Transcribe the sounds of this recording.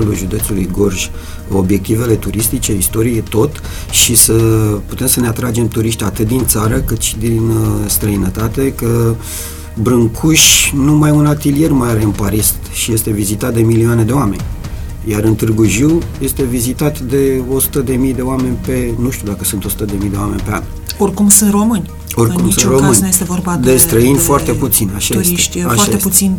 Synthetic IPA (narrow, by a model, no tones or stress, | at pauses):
luʒud̪e̞t̪sulujɡo̞rʒʲ | o̞bje̞k̚t̪ive̞le̞t̪uɾist̪it͡ʃe̞ist̪o̞ɾijet̪o̞t̪ | ʃisəput̪e̞msəne̞at̪ɾad͡ʒe̞mt̪uɾiʃt̪ʲat̪ɨt̪̚d̪int̪saɾəkɨt̪ʃid̪inst̪ɾəinət̪at̪e̞kə | bɾɨŋkʰuʃʲnumajunat̪ilije̞rmajaɾe̞ɨnpaɾis | ʃije̞st̪e̞vizit̪at̪d̪e̞milioaned̪eoame̞nʲ | jaɾɨnt̪ɨrɡuʒiwje̞st̪e̞vizit̪at̪d̪e̞o̞su̥t̪əd̪e̞mijd̪e̞oame̞nʲpe̞nuʃt̪ud̪akəsunt̪o̞su̥t̪əd̪e̞mijd̪e̞oame̞̰nʲpe̞a̰n | orkumsunt̪ro̞mɨnʲ | o̞rkkumssɨ̃nromɨnnʲnujest̪evorbad̪est̪ɾəinʲfoart̪e̞put̪sinaʃuɾiʃt̪ʲaʃaeeut̪sin